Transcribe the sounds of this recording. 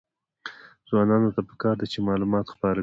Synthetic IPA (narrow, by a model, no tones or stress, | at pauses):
z̥wɑnɑnot̪apə̥kɑɾd̪et͡ʃemɑlumɑt̪xpɑɾa